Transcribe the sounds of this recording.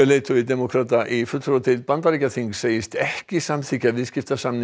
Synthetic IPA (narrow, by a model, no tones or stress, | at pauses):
ɛleːjt̪ʰʏɪd̪ɛmokʰɾaːt̪aʔifʏt̪fɾoːt̪ʰɪlpant̪aɾiːcaθiŋkseːjɪst̪ɛhcɪsamθʰicavɪðscɪft̪asamnɪ